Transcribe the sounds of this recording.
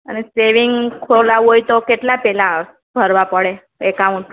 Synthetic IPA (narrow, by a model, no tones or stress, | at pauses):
ə̰neseʋiŋɡkʰolaʋɦojt̪okeʈlapɛla | bʱəɾʋapəɽe | ekauɳʈ